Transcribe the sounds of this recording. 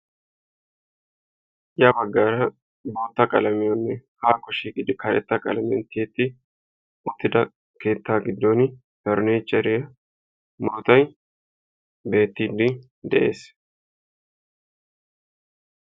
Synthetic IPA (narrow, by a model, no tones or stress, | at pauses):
jɐbɐɡːaːɾɐ | bo̞ːt̪ːɐkʼɐ̰lɐmɪjɔnːɛhaːkːɔʃiːkʼɪd̪ɪkɐɾɛ̰t̪ːɐkʼɐ̰lɐmɪjɔ̰nt̪ʰeːt̪ːɪ | ʊt̪ːɪd̪ɐ | ke̞ːt̪ːaːɡɪd̪ːoːn | bɛɾneːt͡ʃːɐɾɪjɐ | moːt̪ɐj | be̞ːt̪ːiːd̪ɪ | d̪ɛʔe̞ːs